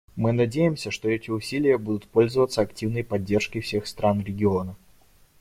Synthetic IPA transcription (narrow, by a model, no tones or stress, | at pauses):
mɨnɐdʲejɪmsʲəʂt̪o̞ɛtʲɪʊsʲilʲɪjəbud̪ʊt̪po̞lʲzəvət̪səɐktʲivnəjpɐdʲːe̞rʂkəfsʲe̞xst̪ɾʔanɾʲɪɡʲɪonə